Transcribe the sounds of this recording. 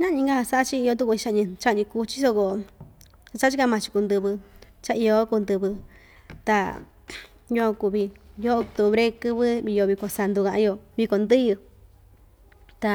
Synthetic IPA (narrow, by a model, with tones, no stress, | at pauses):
ɲã˦˧ɲĩ˧ŋɡa˦ha˧sa˧˦ʔa˦t͡ʃi˦i˧o˧t̪̬u˦ku˧i˧t͡ʃa˧ɲĩ˧t͡ʃa˦ʔɲĩ˧ku˧t͡ʃi˦so˧ko˧˨ | sa˧t͡ʃa˦t͡ʃi˦ka˧mã˧t͡ʃi̥˧ku˧nd̪ɨ˧βɨ˧ | t͡ʃa˧ʔi˧jo˧˦ku˧nd̪ɨ˧βɨ˧ | t̪a̰˧ | jo˧ã˧ku˧βi˧jo˦o˧kt̪o˧βɾe˧kɨ˧βɨ˦βi˧jo˧βi˧ko˨sa˧nd̪u˧kã˧ʔã˧jo˧βi˧ko˧nd̪ɨ˦jɨ˧ | t̪a˧